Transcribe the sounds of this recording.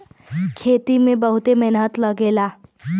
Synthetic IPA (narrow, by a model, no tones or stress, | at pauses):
kʰeːt̪imẽbəɦʊt̪emɪnɦət̪ləɡeːlaː